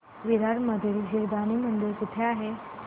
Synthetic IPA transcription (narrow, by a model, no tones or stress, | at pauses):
ʋiɾaɾməd̪ʱiːld͡ʑiɾd̪animənd̪iɾkuʈ̪ʰeaɦe